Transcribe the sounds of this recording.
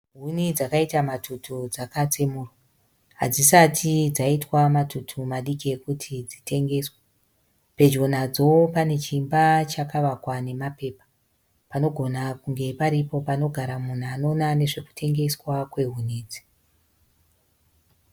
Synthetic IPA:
ɦunid͡zakaitamatʰutʰud͡zakat͡semuːrwa | ɦa̰d͡zisatʰid͡zaitwamatutʰumaɗikiekutʰid͡zite̞ŋɡe̞swa | pe̞d͡ʒo̞nad͡zo̞pane̞t͡ʃimbat͡ʃakaʋakwane̞mape̞ːpḁ | pano̞ɡʱo̞nakuŋɡe̞paɾipo̞pano̞ɡʱaɾamun̤uano̞nane̞ʐe̞ku̥tʰe̞ŋɡe̞swakwe̞ɦuniːd͡zi̥

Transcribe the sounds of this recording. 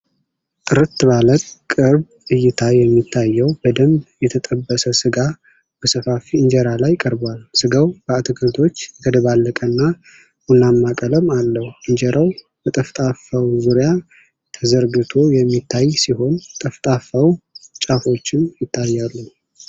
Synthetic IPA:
t̪ʼɨɾɨt̪ːɨβaləkʼkʼːɨɾb | ɨjːɪt̪ʰajɛmːit̪ʰːajːɛwbəd̪əmjɛt̪ʰət̪ʼəbːəsəsɨɡa | b̥əsəfafiɨɲd͡ʒɛɾalajkʼəɾbwalsɨɡəwb̥əat̪ʰɨkʰt̪ʰo̞t͡ʃːɡəd̪əβalːəkʼənːa | ʔunːamːakʼələmalːəhuɨɲd͡ʒɛɾʔaw | bət̪ʼəft̪ʼafawzuɾija | t̪ʰəzəɾɡɨt̪ʰo̞jɛmːit̪ʰːajsiho̞nt̪ʼəft̪ʼafawt͡ʃʼafo̞t͡ʃːɪnjɪt̪ʰːajːalːu

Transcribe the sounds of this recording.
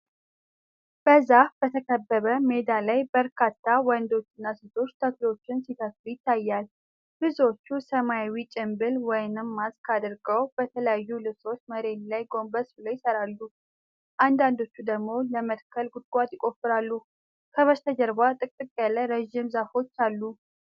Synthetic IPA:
b̥əzahbət̪ʰəkʰəbːəβəme̞d̪alajbəɾkʰat̪ʰːawənd̪o̞t͡ʃːɪnːasɨt̪ʰʼo̞t͡ʃːt̪ʰəklio̞t͡ʃːɪnsit̪ʰət̪jɪt̪ʰːajːal | bɨzo̞t͡ʃːusəmajawit͡ʃʼɪmbɨlwɔjnɨmːazkʰad̪ɨɾɡəwb̥ət̪ʰələjajːulɨso̞t͡ʃməɾe̞nlajɡo̞mbəsbɨləwjɪsəɾalːu | ʔand̪and̪o̞t͡ʃːud̪əɡmo̞ləmət̪kʰəlɡud̪̚ɡʷat̪jɪkʼo̞fːɨɾalːu | kʰəβəst̪ʰəd͡ʒəɾbat̪ʼɨkʼɨkʼjalːəɾəʒːɪmzafo̞t͡ʃːalːu

